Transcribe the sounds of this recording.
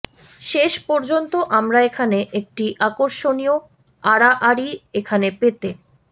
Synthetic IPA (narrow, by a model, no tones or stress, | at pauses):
ʃeʃpɔɾd͡ʑont̪oʔamɾaekʰaneʔek̚ʈiʔakoɾʃonio | aɾaʔaɾiekʰanepet̪e